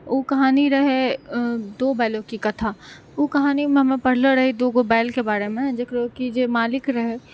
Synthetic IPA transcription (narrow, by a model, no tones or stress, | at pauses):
oːkɐɦaːniɾɐɦe | d̪oːbaːɪlõkikɐt̪ʰaː | okɐɦaːnimẽɦɐmẽpɐɽ̤leɾɐɦed̪oːɡoːbaːɪlkebaːɾemẽd͡ʒekʰɾəɦokid͡ʒeːmaːlɪkɾɐɦe